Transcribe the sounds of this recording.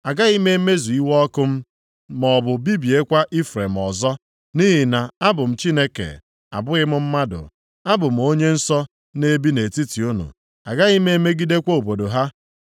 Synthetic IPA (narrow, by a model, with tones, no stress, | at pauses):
a˨ɡa˦ɣi˦me˦me˦zu˨i˦wɔ˦ɔ˦kʊ˦m̩˦ | mɔ˨bʊ˨bi˦bi˨e˦kʷa˦ʔi˦fɾe˨m̩˨ɔ˨zɔ˦ | ni˦ɦi˨na˨a˦bʊ˨m̩˨t͡ʃi˦ne˦kḛ˨ | a̰˨bʊ˦ɣɪ˦mʊ˦m̩˦ma˦dʊ̰˨ | a˦bʊ˨m̩˨o˦ɲe˦n̩˦sɔ˦ | ne˦bi˦ne˨ti˦ti˨u˦nṵ˨ | a̰˨ɡa˦ɣi˦me˦e˦me˦ɡi˦de˦kʷo˦o˨bo˨do˨ɦa˦